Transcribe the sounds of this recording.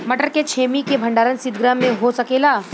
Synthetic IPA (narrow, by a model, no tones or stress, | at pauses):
mɐʈəɾket͡ʃʰeːmikebʱɐ̃ɳɖaːɾənsɪd̪ɡɾamːẽɦosɐkeːlaː